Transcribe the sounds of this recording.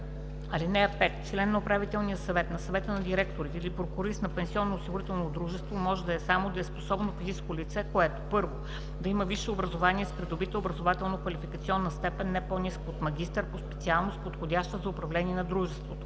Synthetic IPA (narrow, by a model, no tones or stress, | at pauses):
ɐlinɛpɛt̪t͡ʃlɛnːɐʊpɾavit̪ɛlˠnijəsɐvɛt̪nɐsɐvɛt̪ənɐd̪ʲiɾɛkt̪oɾit̪ilipɾokʊɾisnɐpɛnsiɔnːoːsiɡʊɾit̪ɛlˠnod̪ɾuʒɛst̪vomɔʒɛd̪ɐɛsamod̪ɐɛsposɔbnofiziskolit̪sɛkoɛt̪o̥pɤɾvo | d̪ɐiməviʃɛobɾɐzovaniɛspɾid̪obit̪əobɾɐzovat̪ɛlˠnokvɐlifikɐt̪siɔnːɐst̪ɛpɛnːɛponiskoot̪mɐɡʲist̪əɾpospɛ̥t̪sialˠnost̪̚pot̪xodʲaʃt̪əzɐʊpɾɐvlɛniɛnɐd̪ɾuʒɛst̪vot̪o̥